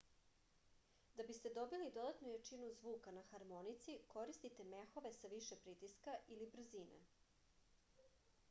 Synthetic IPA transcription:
d̪abist̪e̞d̪o̞bilid̪o̞d̪at̪nujet͡ʃinuzʋuːkanaxaɾmo̞nit̪siko̞ɾist̪it̪e̞me̞xo̞ʋe̞saʋiʃepɾit̪iskaʔilibr̩zinḛ

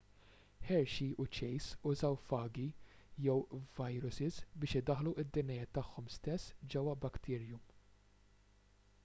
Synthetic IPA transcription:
ħɛɾʃiʊt͡ʃɛjsʊzɐwfɐːɡi | jɛwvɐjɾʊsɪzbɪːʃɪd̪ɐħluʔɪd̪ːɪnjɐjɛːt̪ːɐħːɔmst̪ɛsːd͡ʒɛwːɐbɐkt̪ʰɪːɾjum

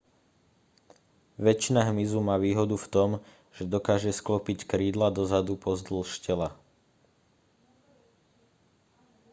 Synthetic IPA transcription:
ʋɛt͡ʃinaɦmizumaːʋiːɦɔd̪uft̪ɔm | ʒ̥ɛd̪ɔkaːʒɛsklɔpickɾiːd̪lad̪ɔzad̪upɔzd̪l̩ʃcɛla

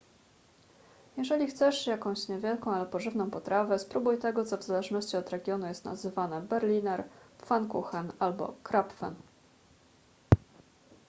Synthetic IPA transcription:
jɛʐɛlʲixt̪sɛʂjakɔ̃w̃ɕɲɛvʲjɛlkɔ̃w̃alɛpɔʐɘvnɔ̃w̃pɔt̪ɾavɛspɾubujt̪ɛɡɔt̪sɔvzalɛʐnɔɕt͡ɕiɔd̪ɾɛɡʲjɔnujɛst̪na̰zɘvanɛbɛɾlʲinɛɾfankuxanalbɔ̰kɾapfɛ̰n

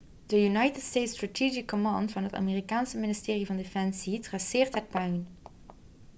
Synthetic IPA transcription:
d̥əjunɑjtətstejtstratʰid͡ʒɪkːomɑ̃ːntfɑnɦəta̰ːmeːrikaːnsəmɪnɪstɪːrivɑndefɛnsitrasɪːɹtɦət̚pœɥn

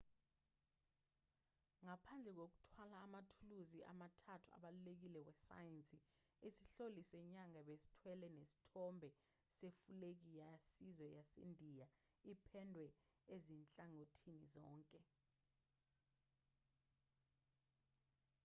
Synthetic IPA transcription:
ŋapʰand͡ɮʱɛk̬ok̬u̥tʰwalaːmatʰuluziʔa̰matʰatʰua̰ɓalulek̬ilɛwɛsa̰jɛnt͡sʼi | isiɬolisɛɲaŋaɓesi̥tʰwɛlɛnesi̥tʰɔmbʱɛ | sefulek̬ijasizwɛjasḛndʱijaipʰɛndʱwɛezint͡ɬʼaŋotʰinizɔːŋkʼɛ

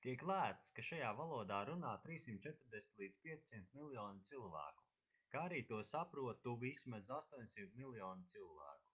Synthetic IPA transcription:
t̪iɛklˠæːst̪skaʃajaːvalˠuɔd̪aːɾunaːt̪ɾiːsimt̪̚t͡ʃɛt̪ɾd̪ɛsʲn̥ʲt̪lˠiːd̪z̥piɛimt̪milˠjɔːnɪt̪silˠvæ̰ːku̥ | kaaɾiːt̪uɔsapɾuɔt̪ːuvismazast̪uɔɲsimt̪milˠjɔːnɪt̪silˠvæ̰ːku̥

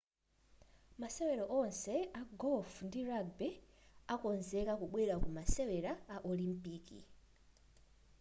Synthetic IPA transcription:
masɛwɛɾɔʔɔnsɛaɡɔlfndiɾaɡbɛakɔnzɛkakuɓwɛɾakumasɛwɛɾaːʔɔlimpiːkḭ

